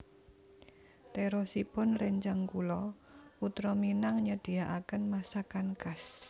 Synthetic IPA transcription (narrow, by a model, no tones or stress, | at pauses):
t̪eɾɔsipʊnreɲd͡ʒaŋkulɔ | ut̪ɾɔminaŋɲəd̥iaʔakənmasakankas